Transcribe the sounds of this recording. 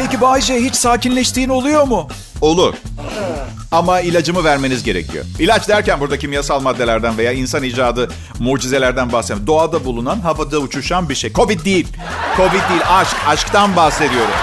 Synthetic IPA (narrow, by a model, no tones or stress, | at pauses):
pejcibaːiʃ̬ejɦit͡ʃsaːcinlʲɛʃt̪ʰiːno̞lˠujo̞ɾmʊ | o̞lˠuɾ̥ | amailʲad͡ʒɯmɯvæɾme̞nizɟe̞ɾecʰḭjo̰ilʲat͡ʃd̪æɾcænbuɾd̪acʰimijasalˠmad̪ːelʲæɾd̪ænve̞jaːinsaniːd͡ʒaːd̪ɯ | muːd͡ʒize̞lʲæɾd̪ænbahset̪imd̪o̞alˠd̪abulˠunanɦavad̪aut͡ʃʰuʃanbiɾʃejkʰo̞vit̪̚d̪ijilʲ | kʰo̞vit̪̚d̪iːlʲaʃkaʃkt̪anbaxse̞d̪ijo̞ɾṵm